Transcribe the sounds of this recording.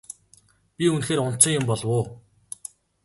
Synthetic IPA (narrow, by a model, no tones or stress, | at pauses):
pʲiunxeːɾʊn̥t͡sɪ̆ŋjʊmpɔɮwoː